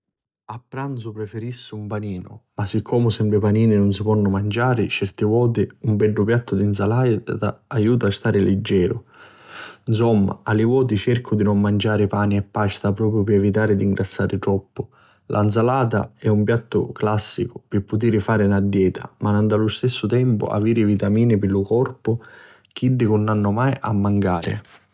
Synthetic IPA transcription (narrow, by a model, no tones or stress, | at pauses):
apːɾant̪sʊpɾɛfeɾisːɪumpaniːnʊ̰masːɪkʰːɔːmʊsɛmbɾɪpaniːnɪnʊnsɪpɔnːʊmand͡ʒaːɾɪt͡ʃɛrt̪ɪvɔːt̪̬ɪumbɛɖːʊpjat̪ːʊd̪ins̬alat̪a̰ajuːt̪̬aːst̪aːɾɪlɪd͡ʒːɛːɾʊ | ns̬ɔmːa̰alɪvɔːt̪̬it͡ʃɛrkʰʊd̪inʊmːand͡ʒaːɾɪpaːniɛpːast̪apɾɔːpɾjʊpɪɛvit̪̬aːɾɪd̪iŋɡɾʔasːaːɾʔɪt̪ɾɔpːʊ | lʔa̰ns̬alaːt̪a̰ɛumpjat̪ːʊ̰klasːikʊpɪpːʊt̪̬iːɾɪfaːɾɪnad̪ːjɛːt̪ʰa̰manand̪alʊst̪ɛsːʊt̪ɛmpʊ̰a̰viːɾɪvit̪amiːnɪpɪlʊkɔrpʊ | k̟iɖːɪkʊnːanːʊmajʔa̰mːaŋkaːɾɪ̰